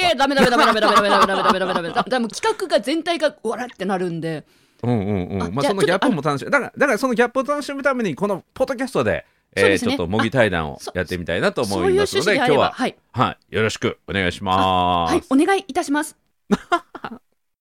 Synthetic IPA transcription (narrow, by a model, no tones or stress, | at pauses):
ed̪amed̪aeaed̪ameammeamed̪amed̪ameameamd̪amokʲi̥kakɯ̟ɡazẽ̞nt̪aiɡaɯβaɾat̪ːe̞naɾɯ̟̃nd̪e̞ | ɯ̟̃ɴɯ̟̃ɴɯ̰̃ɴmaso̞noɡʲapːɯmo̞t̪anoɕimd̪akad̪akaɾaso̞no̞ɡʲapːɯoːt̪ano̞ɕimɯ̟t̪ame̞ɲ̟iko̞no̞po̞d̪ːo̞kʲasɨ̥t̪o̞d̪e̞̰ː | t͡ɕsot̪ːomo̞ɡʲit̪aid̪ã̰ɰ̃o̞̰ja̰t̪ːe̞mʲit̪a̰inat̪o̞ːmo̞imasɨnod̪e̞kjo̞ːβa̰hai | haijo̞ɾo̞ɕi̥kɯ̟o̞ne̞ɡa̰iɕima̰haone̞ɡaiːt̪aɕimasɨ̥